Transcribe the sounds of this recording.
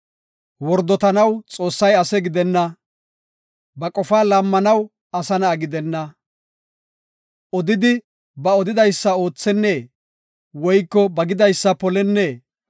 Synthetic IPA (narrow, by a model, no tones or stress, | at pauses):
wɔɾd̪ɔt̪ɐnɐwt͡sʼo̞ːsːɐjɐsɛɡɪd̪ɛnːɐ | bɐkʼɔfaːlɐmːɐnɐw | ɐsɐnɐːɡɪd̪ɛnːɐ | ɔd̪ɪd̪ɪ | bɐɔd̪ɪd̪ɐjsːɐo̞ːt͡sːɛnːeː | wɔjkːɔbɐɡɪd̪ɐjsːɐpɔlɛnːeː